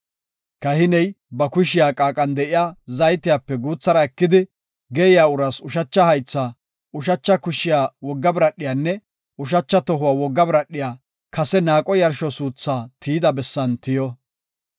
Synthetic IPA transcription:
kɐhɪnɛj | bɐkʊʃ̬ɪjaːkʼaːkʼɐnd̪ɛʔɪjaːzɐjt̪ːɪjaːpːɛɡuːt͡sːɐɾɐɛkːɪd̪ɪ | ɡɛɪjaːʊɾɐsʊʃɐt͡ʃːɐhɐjt͡sːaː | ʊʃ̬ɐt͡ʃːɐkʊʃɪjaːwɔɡːɐbɪɾɐɗːɪjaːnːɛ | ʊʃ̬ɐt͡ʃːɐt̪ɔɦʊwaːwɔɡːɐbɾɐɗːɪjaː | kɐsɛnaːkʼɔjɐɾʃɔsuːt͡sːaːt̪ʰiːd̪ɐbɛsːɐnt̪ɪjɔ

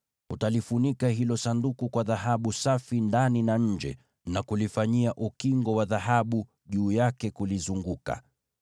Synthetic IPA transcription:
hutalifunikaɦilɔsandukukwaðahaɓusafindaninaɲ̩d͡ʒɛ̰ | nakulifaɲiaʔukiŋɡɔwaðaɦaɓu | ʄuːjakɛkulizuŋɡuka̰

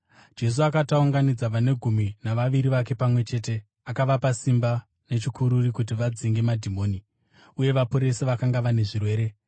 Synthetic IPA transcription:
d͡ʒe̞s̬uakatauŋɡanid͡zaʋane̞ɡʱuminaʋaʋiɾiʋake̞pamwe̞t͡ʃe̞ːte̞ | akaʋapasimba | ne̞t͡ʃikʰuɾurikut̬iʋad͡ziŋɡe̞madʱimo̞ːni | uje̞ʋapoɾe̞seʋakaŋɡaʋane̞ʐirwe̞ːɾe̞

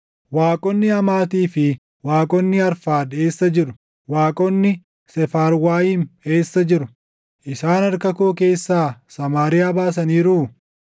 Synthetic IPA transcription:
waːkʼɔnːɪɐmaːt̪iːfɪ | waːkʼɔnːɪɐɾfaːd̪e̞ːsːɐd͡ʒɪɾʊ̥ | waːkʼɔnːɪ | sɛfaːɾwaːjiːme̞ːsːɐd͡ʒɪɾʊ | ʔɪsaːnɐɾkɐkoːke̞ːsːaːsɐmaːɾɪjaːbaːs̬ɐniːɾuː

